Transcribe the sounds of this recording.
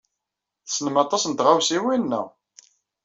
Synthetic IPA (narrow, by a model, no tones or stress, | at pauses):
θsnəmɑt̪ˤɑsnt̪ʁawsiwinːæ̰